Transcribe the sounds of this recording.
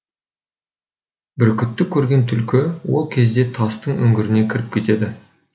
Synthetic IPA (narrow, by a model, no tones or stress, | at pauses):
bɪɾkʲʰʏt̪ːɪkʲʰːɵɾɡʲe̞nt̪ʰʏlkʲɪwo̞lˠkʲʰe̞zd̪e̞t̪ʰɑst̪əɴɵ̰ŋɡʲɪɾɪne̞kʲʰɪɾɪp̚kʲʰe̞t̪e̞d̪ɪ